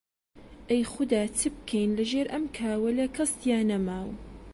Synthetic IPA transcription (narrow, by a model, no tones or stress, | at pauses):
ʔejxʊd̪aːt̪ʰɨb̚kʰejnlɐʒeːɾʔɐmkʰaːwɐlɐkʰɐst̪jaːnɐmaːw